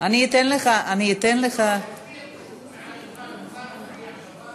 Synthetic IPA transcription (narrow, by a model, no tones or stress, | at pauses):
aniːt̪enleχaʔaniːt̪enleχa